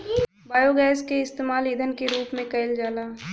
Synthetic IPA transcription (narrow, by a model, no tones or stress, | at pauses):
baːjoɡɛːskeɪst̪eːmaːlid̪ʱənkeɾuːpmẽkɐɪld͡ʒaːlaː